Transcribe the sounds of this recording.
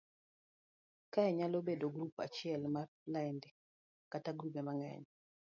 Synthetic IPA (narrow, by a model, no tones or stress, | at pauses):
kajɛɲalobedoɡɾupa̰t͡ʃɪɛlma | laindɛ | kataɡɾubɛmaŋɛ̰ɲ